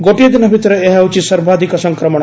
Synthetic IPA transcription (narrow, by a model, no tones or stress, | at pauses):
ɡoʈijɐd̪inɐbʱit̪ɾɐeɦɛut͡ʃisɐɾbʱaːd̪ʱikɐsɐŋkɾɐmɐɳ